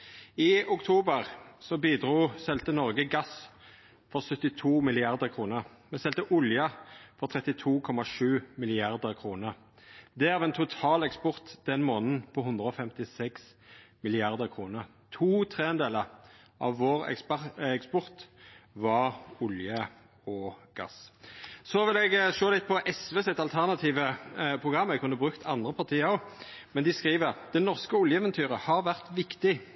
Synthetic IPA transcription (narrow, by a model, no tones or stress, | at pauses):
ɪʊkt̪ʰuːbəʁsɔbiːd̪ʁuːsɛlt̪ənɔʁɡəɡɑs | fɔʁsœt̪ːɪt̪ʰuːmɪlɪɑʁd̪əʁkʰʁuːnəʁ | mɛsɛlt̪əʔʊljəfɔʁt̪ʰʁɛt̪ɪt̪ʰuːkʰɔmɑʂʉːmɪlɪɑʁd̪əʁkʰʁuːnəʁ | d̪ɛæʋɛːnt̪ʰʊt̪ʰɑːlɛkspɔʁt̪d̪̥ɛnmoːnən̩pʰɔɦɵnd̪ʁəoːfɛmt̪ɪsɛks | mɪlɪɑʁd̪əʁkʰʁuːnəʁ | t̪ʰuːt̪ʰʁeːɛnd̪eːləʁ | ʔɑ̰ʋːoːʁɛ̰ksɛkspɔʁt̪ʋɑʁʊljə | ɔɡ̥ɑ̰ssɔʋɪlɛɡʃoːlɪt̪̚pʰɔʔɛsʋeːsɛt̪ɑlt̪ʰæʁnɑt̪ʰiːʋəpʰʁʊɡʁɑmːɛkʰʉnːəbʁʉkt̪ʰɑnd̪ʁəpʰɑʁt̪ʰiːəɔmɛnd̪ɪskʁiːʋəʁd̪̥ɛnɔʁskəʊljəɛːʋɛnt̪ʰyːʁəhɑʁʋæʁt̪ʋɪkt̪ɪ